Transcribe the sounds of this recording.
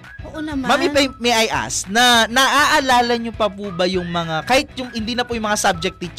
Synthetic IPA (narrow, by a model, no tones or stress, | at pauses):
oʔomamɪpɐjmiʔɐjʔa̰snɐnɐʔaːʔɐlaːlɐɲopɐpubɐjʊŋmɐŋakaːhɪt̪̚jʊŋhɪnd̪iːnɐpʊjʊŋmɐŋasab̚d͡ʒɛk̚t̪it͡ʃ